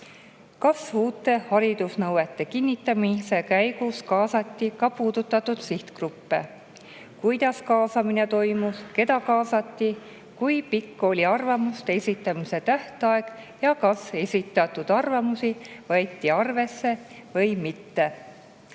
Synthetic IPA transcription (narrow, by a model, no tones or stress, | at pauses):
kɑsuːt̪ːˑe̞hɑɾid̪̥usnɤwe̞t̪ːˑe̞kinʲːit̪ːˑɑmise̞kæjɡ̥uskɑːsɑt̪ʲːikɑpuːd̪̥ut̪ːˑɑt̪ːud̪̥siht̪krupːe | kujd̪̥ɑskɑːsɑmine̞t̪o̞jmuske̞d̪ɑkɑːsɑt̪ʲːi | kujpikːo̞lʲiɑrvɑmust̪ee̞sʲit̪ːˑɑmise̞t̪æht̪ɑe̞ɡ̥jɑkɑse̞sʲit̪ːˑɑt̪ːˑud̪̥ɑrvɑmusivɑjt̪ʲːiɑrve̞sːe̞ | vɤ̞jmit̪ːe̞